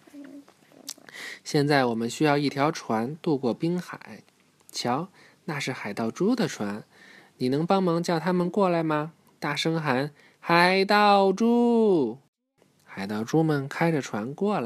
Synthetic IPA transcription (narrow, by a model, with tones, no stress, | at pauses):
ɕjɛ˥˧nt͡sa˥˩ɪwɔ˨˩mə˦nɕy˥jɑ˥˧ʊi˥˩t̪ʰjɑ˧˥ʊʈ͡ʂʰwa˧˥nt̪u˥˧kwɔ˥˩pi˥ŋxa̰˨˩˦ɪ | t͡ɕʰjɑ˧˥ʊ | na˥˧ʂɻ̩˥˩xa˨˩ɪt̪ɑ˥˩ʊʈ͡ʂu˥d̪ə˨ʈ͡ʂʰwa˧˥n | ni˨˩nɤ˧˥ŋpɑ˥ŋmɑ˧˥ŋt͡ɕjʊt̪ʰa˥mə˨nkwɔ˥˩la˧˥ɪmɐ˧ | t̪a˥˩ʂɤ˥ŋxa˧˥n | xa˨˧˩ɪt̪ɑ˥˩ʊʈ͡ʂu˥ | xa˨˩ɪt̪ɑ˥˩ʊʈ͡ʂu˥mə˨nkʰa˥ɪʈ͡ʂə˨˩ʈ͡ʂʰwa˧˥nkwɔ˥˩la˧˥